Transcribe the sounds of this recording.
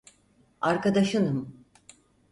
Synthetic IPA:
aɾkad̪aʃɯnɯm

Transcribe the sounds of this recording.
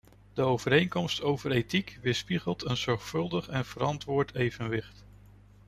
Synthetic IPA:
d̥əowv̥əɾejŋkɔmstowvəɾejtikʋɪspiχəlˠtənz̥ɔɹχfɵlˠdəχɛnv̥əɾɑntʋʊːɹtʰejvənʋɪχt

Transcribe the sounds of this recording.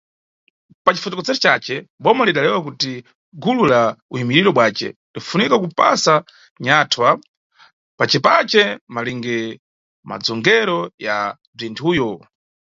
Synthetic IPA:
pat͡ʃifɔtɔkɔd͡zɛɾɔt͡ʃat͡ʃɛɓɔmaliɗalɛwak̬uti | ɡululauimiɾiɾɔɓwaːt͡ʃɛ̰lifunikakupa̰sa | ɲatʰwa | pat͡ʃɛpat͡ʃɛmaliŋɡɛ | ma̰d͡zɔŋɡɛɾɔja̰ | b͡ʐintʰuːjɔ

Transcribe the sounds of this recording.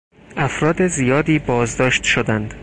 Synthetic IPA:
ʔæfɾɒːd̪ezijɒːd̪iːbɒːzd̪ɒːʃt̪ʃod̪ænd̪̥

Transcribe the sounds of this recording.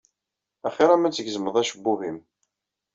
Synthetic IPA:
æχiɾæmæt͡sːəɡzməðˤæʃəbːuɦim

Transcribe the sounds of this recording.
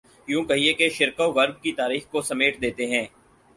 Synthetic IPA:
jũːkɐɦiekeʃɪɾkoʋɐɾb̚kit̪aːɾiːxkosɐmeːʈd̪eːt̪eɦɛ̃ː

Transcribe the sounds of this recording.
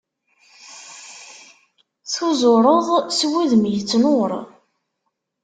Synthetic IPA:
θuzʊɾˤəðˤswiðmjət͡sːnoɾ

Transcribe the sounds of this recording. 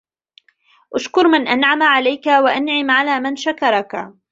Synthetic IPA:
ʔaʃkʊɾˤmɪnʔanʕamaʕalajkawaʔanʕɪmʕalaːmɪnʃakɑɾˤɑka

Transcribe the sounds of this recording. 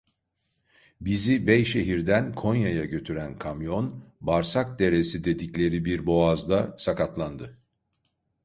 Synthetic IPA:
bizibɛjʃe̞ɦiɾd̪ænkʰo̞njajaɟø̞t̪ʰyɾænkʰamjo̞nbaɾsak̚d̪e̞ɾe̞sid̪e̞d̪iclʲe̞ɾibiɾbo̞azd̪asakʰat̪lˠand̪ɯ

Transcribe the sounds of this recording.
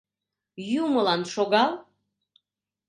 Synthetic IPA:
juməlɑnʃoɣɑl

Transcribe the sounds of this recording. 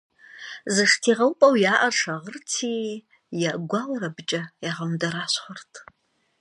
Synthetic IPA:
zɨʂtʰiʁawpʼawjaʔaʈ͡ʂʰaʁərtʰi | jaʔɡʷalaɾabt͡ʃʼajaʁamdaɾaɕχʷartʰʼ

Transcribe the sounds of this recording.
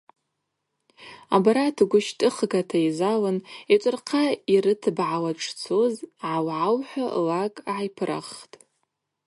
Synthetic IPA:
a̰baɾatʰɡʷʊʃtʼɨχɡatʰaizalɨnet͡ʃʷʼɨrqʰairɨtʰɨbʕawaʈ͡ʂʰʼt͡sʰozʕawʕawħʷᶣa̰lakʼʕajpʰɨrʔa̰χtʼ

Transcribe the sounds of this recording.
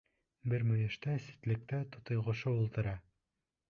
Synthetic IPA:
bɘɾmɵ̆jɘ̆ʃt̪æsi̥t̪lɘ̆k̚t̪æt̪ŏt̪ŏjʁŏʃɤulˠt̪ɤ̆ɾɑ

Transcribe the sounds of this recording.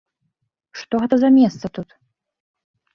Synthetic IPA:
ʂt̪ɔɣɛt̪ɐzɐmʲɛst̪sɐt̪ut̪

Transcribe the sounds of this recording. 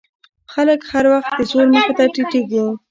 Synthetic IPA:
xaləkhaɾwaxt̪̚d̪əzoɾməxet̪aʈiʈiɡi

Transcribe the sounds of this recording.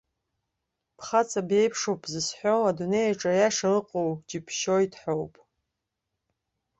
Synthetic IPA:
pʰχat͡sʼabe̞jpʰʂowpʰʼzɨsħʷo̞adune̞jaʈ͡ʂʼajaʂalɨqʼowd͡ʒipʰʃojtʰħowpʼ

